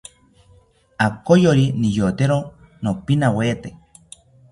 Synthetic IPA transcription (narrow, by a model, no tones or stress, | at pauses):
akojoɾinijot̪eɾo | nopinaweːt̪e